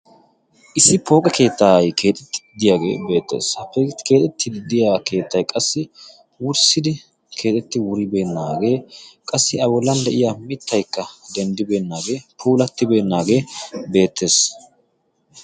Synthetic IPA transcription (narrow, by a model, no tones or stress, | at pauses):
ʔɪsːɪpo̞ːkʼɛke̞ːt̪ːaːjke̞ːt̪ʼɛt̪ːɪ̥d̪ɪjaːɡḛːbe̞ːt̪ːḛːshɐpːɛkeːt̪ʼɛt̪ːɪd̪ɪd̪ɪjaːke̞ːt̪ːɐjkʼɐsːɪ | wʊɾsɪd̪ɪ | kʰe̞ːt̪ʼɛt̪ːɪwʊɾɪbe̞ːnːaːɡe̞ːkʼɐsːɪɐbɔlːɐnd̪ɛʔɪjamɪt̪ʰːɐjkːɐd̪ɛnd̪ɪbe̞ːnːaːɡe̞ːpʰuːlɐt̪ːɪbe̞ːnːaːɡe̞ːbe̞ːt̪ʰːe̞ːs